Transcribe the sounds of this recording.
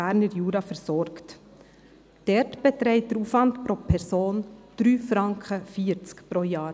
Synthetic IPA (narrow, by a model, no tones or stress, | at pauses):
æːɾnəɾjuːɾɑfɛɾsɔɾkt | d̥ɛɾtb̥ɛtɾɛɪt̚d̥əɾuːfvɑntpɾopʰɛɾsoːnd̥ɾyːfɾɑŋkχəfiːəɾt͡skpɾojɑːɾ